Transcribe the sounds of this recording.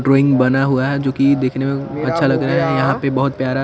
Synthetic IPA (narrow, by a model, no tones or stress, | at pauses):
ɖɾoːɪ̃ŋɡbɐnaɦuaɦɛd͡ʒoːkid̪eːkʰnemẽɐtːʃʰalɐɡɾaɦɛjɐɦãpebɐɦʊt̪̚pjaːɾa